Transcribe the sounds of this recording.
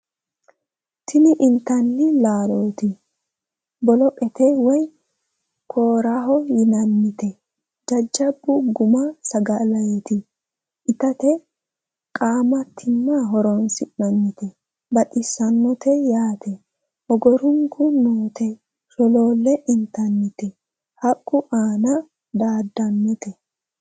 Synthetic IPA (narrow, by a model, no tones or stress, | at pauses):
t̪ʰɪnɪʔɪnt̪ɐnːɪlaːloːt̪ɪ | bɔlɔkʼɛt̪ɛwɔj | kʰoːɾaɦɔjɪnɐnːɪt̪ɛ | d͡ʒɐd͡ʒːɐbːʊɡʊmɐsɐɡɐlɐjɛt̪ɪ | ʔɪt̪ɐt̪ɛ | kʼaːmɐt̪ʰːɪnːaɦɔɾɔnsɪʔːɐnːɪt̪ɛ | bɐtʼɪsɐnːɔt̪ɛjaːt̪ɛ | hɔɡɔɾʊŋkʰʊnoːt̪ɛ | ʃɔlo̞ːlːɛʔɪnt̪ɐnːɪt̪ɛ | hɐkʼːʊʔaːnɐ | d̪aːd̪ːɐnːɪt̪ɛ